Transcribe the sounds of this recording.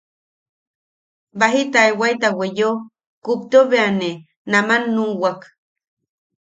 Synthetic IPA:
baɦit̪aewajt̪awejo | kup̚t̪oβeane | namanːuwak

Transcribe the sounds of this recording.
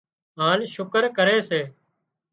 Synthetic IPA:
ɦaːnʃʊkəɾkəɾeːseː

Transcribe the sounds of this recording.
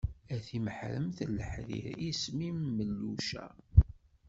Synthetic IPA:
æθiməħɾə̰mθələħðḭɾismimːəlːuʃæ̰

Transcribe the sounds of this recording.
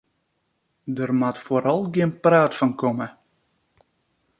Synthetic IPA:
dərmatfoɾʔɔlˠɡiənpraːtfɔnkɔmə

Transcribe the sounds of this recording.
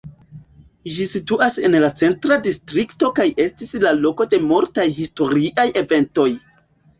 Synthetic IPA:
ʒisituʔase̞nlat͡se̞ntɾadistɾikto̞kajʔe̞stislalo̞ko̞de̞moɾtajhisto̞ɾiʔajeve̞nto̞j

